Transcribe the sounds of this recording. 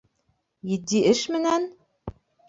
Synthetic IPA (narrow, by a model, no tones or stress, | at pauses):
jɘ̆d̪iʔɘʃmɘ̆næn